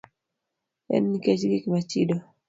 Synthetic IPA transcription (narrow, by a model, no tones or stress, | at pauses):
ɛ̰nːikɛt͡ʃɡikimat͡ʃido